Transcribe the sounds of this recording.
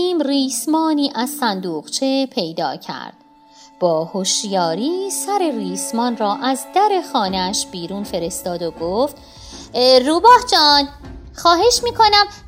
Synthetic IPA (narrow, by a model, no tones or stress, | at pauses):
iːmriːsmɒːniːʔæzsænd̪uːʁt͡ʃʰe̞pʰe̞jd̪ɒ̰ːcʰæ̰ɾd̪̥ | b̥ɒːhoʃjɒːɾiːsæɾe̞riːsmɒːnrɒːʔæzd̪æɾe̞xɒːneæʃb̥iːɾuːnfe̞ɾe̞st̪ɒːd̪oɡoːft̪ | ruːbɒːhd͡ʒɒːnxɒːɦe̞ʃmiːkʰo̞næm